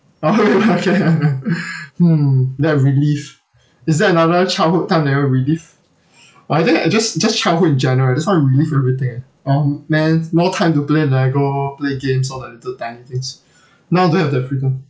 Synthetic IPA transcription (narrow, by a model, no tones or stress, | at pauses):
okeokʰe | m̩dɛt̚ɹilif | ɪsdɛənadət͡ʃalhutãɪ̃mdɛɛvəɹilif | oaɪtɪ̃ŋad͡ʒasd͡ʒast͡ʃalhuĩnd͡ʒɛ̃nəɹəlad͡ʒastãɹilifɛvɹit̪ɪ̃ŋɛ | ɔmɛ̃nmɔtʰãɪ̃mtuplenaɡopleɡẽmsɔdɛlitətãɪnĩt̪ɪ̃ŋs | naʊdohɛvdɛtfɹidə̃m